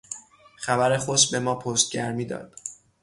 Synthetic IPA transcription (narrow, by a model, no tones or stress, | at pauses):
xæbæɾe̞xosbe̞mɒːpʰost̪̚ɟæɾmiːd̪ɒ̰ːd̪̥